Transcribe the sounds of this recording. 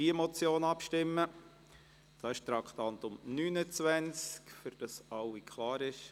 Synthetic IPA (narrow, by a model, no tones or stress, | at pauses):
iəmɔt͡sjoːnɑpʃtɪmːə | d̥ɑːɪʃt̪ɾɑkt̪ɑnt̪ʊmnyːnət͡sʋænt͡skfʏɾd̥ɑsɑwikʰlɑːɾɪʃ